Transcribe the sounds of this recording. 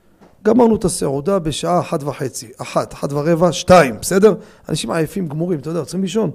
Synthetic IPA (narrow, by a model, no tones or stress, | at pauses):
ɡamaʁnuet̪aseʕud̪abe̞ʃaaːħat̪vaħe̞t͡siaħat̪aħat̪vaʁevaʃtaimbese̞d̪e̞ʁ | a̰nʔaʃimʕajafimɡmuʁimt̪od̪ajot͡sʁimliʃo̞n